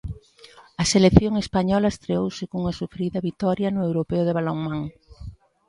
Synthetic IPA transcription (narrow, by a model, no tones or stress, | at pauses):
ɐselekθjoŋespaɲɔlɐest̪ɾeowsɪkouŋɐsufɾiðɐβit̪ɔɾjɐnʊewɾopeʊðeβaloŋmaŋ